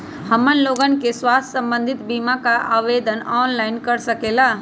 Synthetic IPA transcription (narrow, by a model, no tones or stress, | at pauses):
həmənloːɡən̆keswaːst̪ʰsə̃mbə̃nd̪ʱɪt̪biːmãkaʔaːʋeːd̪ʱənɔːnlaːɪnkəɾsəkeːlaː